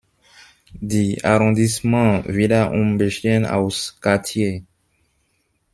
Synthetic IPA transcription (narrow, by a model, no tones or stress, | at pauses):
d̪ia̰ʁɔ̃d̪ismɑ̃vilaʔṵ̃beʃɛna̰wskat̪je